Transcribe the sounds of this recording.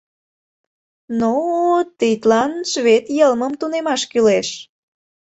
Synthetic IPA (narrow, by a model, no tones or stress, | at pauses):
not̪it̪lɑnʃβet̪jəlməmt̪unemɑʃkyleʃ